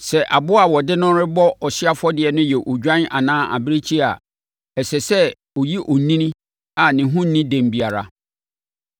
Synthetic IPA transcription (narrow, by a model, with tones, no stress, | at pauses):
sɛ˨ʔa˨bʊ˦a˨wɔ˨dɪ˦nʊ̃˦ɾɪ˦bɔ˦ɔ˨sɪ˦a˦fɔ˦dɪ˨ɛ˨nʊ̃˦jɛ˨ʔo˨d͡ʑᶣã˦na̰˨nãː˦ʔa̰˨bɪ˦ɾe˦t͡ɕʰi˦a̰˨ | ɛ˨sɛ˨sɛ˦ | ɔ˨ji˦ʔɔ˨nĩ˦nĩ˦ | a˨nɪ̃˨ɦʊ̃˦n˦nĩ˦dẽ˨m˨bi˨a˨ɾa̰˨